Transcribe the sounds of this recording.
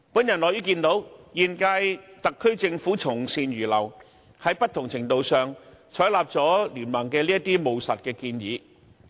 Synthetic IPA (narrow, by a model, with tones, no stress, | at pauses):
puː˨˥njɐ˨˩nlɔː˨jyː˨˥kiː˧nt̪o˨˥wjiː˨nkaː˧jt̪ɐ˨kʰːɵ˥ɥt͡sɪ˧ŋfuː˨˥t͡sʰʊ˨˩ŋsiː˨˧nɥyː˨˩lɐ˨˩w | hɐ˨˥jpɐ˥t̪̚ʰʊ˨˩ŋt͡sʰɪ˨˩ŋt̪o˧wsœː˨ŋt͡ʃʰɔː˨˥jlaː˨p̚t͡sɔː˨˥lyː˨˩nmɐ˨˩ŋkɛː˧liː˥jɐ˥t̪iː˥mo˨˧wsɐ˨t̚kɛː˧kiː˧njiː˨˧